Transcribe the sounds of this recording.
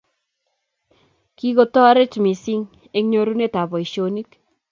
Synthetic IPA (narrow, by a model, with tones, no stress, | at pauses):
ki˦ko˨tɔ˦a˦ɾe˦t͡ʃmi˨si˦ŋ | e˦kɲo˨ɾu˦ne˦ta˨bɔ˨iʃoni˦k